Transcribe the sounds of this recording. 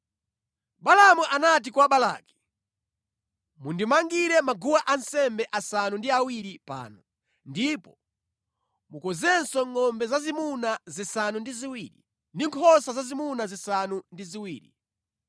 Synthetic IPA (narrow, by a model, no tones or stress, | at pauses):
ɓalamuʔanat̬ikwaɓala̰ːki̥ | mundimaŋɡiɾɛmaɡuwaʔansɛmbɛʔasanundiawiɾipa̰ːnɔ | ndipɔ | mukɔzɛnsɔŋɔmbɛzazimunazisanundiziwiːɾḭ | ndiŋkʰɔsazazimunazisanundiziwiːɾḭ